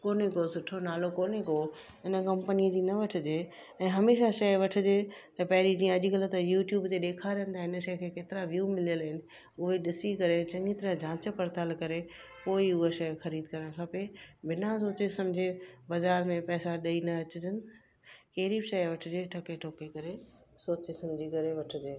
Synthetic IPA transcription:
koːnekosʊʈʰonaːlokoːneko | ɪnə̆kɐ̃mpəniəd͡ʑiːnɐʋɐʈʰɪd͡ʑeː | ɛ̃ːɦɐmeːʃaʃɐjʋɐʈʰɪd͡ʑeːt̪ɐpɐɦɪɾid͡ʑiːə̃ɐʄɪkɐlə̆t̪ɐjuːʈjuːbt̪eɗeːkʰaːɾjə̃nɪ̆t̪ʰaɪnəʃɐjkʰeːkeːt̪ɪɾaʋjuːmɪlijəlɦɪnɪ̆ | ʊɦeɗɪsikɐɾet͡ɕɐ̃ŋɡit̪ɐɾə̃d͡ʑʱãːt͡ɕpɐɾt̪aːlkɐɾepoːiʊɦeʃɐjxɐɾiːd̪kɐɾəɽ̃kʰapebɪnasoːt͡ɕesɐmd͡ʑʱebɐzaːɾmẽpɛːsaɗɐinɐɐt͡ɕʊd͡ʑɪnɪ | keːɾiʃɐjʋɐʈʰɪd͡ʑeːʈʰɐkeʈʰoːkekɐɾesoːt͡ɕesɐmd͡ʑʱikɐɾeʋɐʈʰɪ̆d͡ʑeː

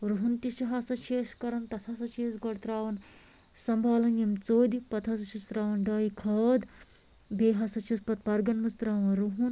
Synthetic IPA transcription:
ɾuɦunt̪iʃiɦaːsɐt͡ʃʰeːskɐɾɐnt̪ɐt̪ʰaːsɐt͡ʃʰeːsɡɐɽt̪ɾaːʋɐn | sɐmbʱaːlɐnjɐmt͡soːd̪ipɐt̪ʰasɐt͡ʃʰist̪ɾaːʋɐnɖɐːjikʰɐːd̪ | beːɦɐsɐt͡ʃʰispɐt̪̚pɐɾɡɐnmust̪ɾaːʋɐnɾuɦun

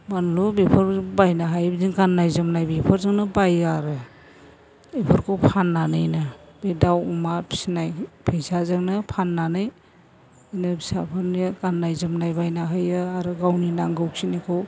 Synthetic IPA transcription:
banlubepʰɔɾbajnaɦajbzinɡanːajzɯmnajbipʰɔɾzaŋnɯbajaɾɯ | bepʰɯɾkʰɯwpʰanːanɯjnab̥edawumapʰsinajpʰejsazaŋnɯpʰanːanɯj | inɯbisa̰pʰanɡanːajzɯmnajbajnaɦajɯaɾɯɡawninaŋɡɯwsinikʰow

